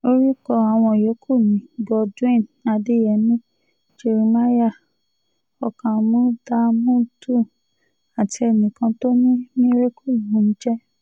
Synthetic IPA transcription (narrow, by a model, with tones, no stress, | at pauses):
o˦ɾi˦kɔ˧a˨w̃ɔ̃˧˨jo˨˦kʰu˦˨mĩ˨˦ɡɔ˧d͡ʒu˦ẽ˦˨na˧de˦jɛ˧˨nĩ˦ | d͡ʒe˧ɾi˨ma˦ja˦˨ | ɔ˧˨kã˨mũ˦da˧mũ˦tu˦˨ | a˨ti˧ɛ˧˨nĩ˨kã˧to˦nĩ˦mĩ˦ɾe˦ku˦˨mũ˨˦n̩˦d͡ʒɛ˦